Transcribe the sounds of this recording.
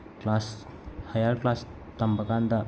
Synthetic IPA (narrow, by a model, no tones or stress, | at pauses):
klas | hajalklas | t̪əmbəkãnd̪a